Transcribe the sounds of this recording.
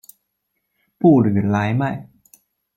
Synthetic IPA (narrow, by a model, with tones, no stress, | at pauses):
puː˥˩lɯ˨˩˦laː˨˦˥jma˥˩j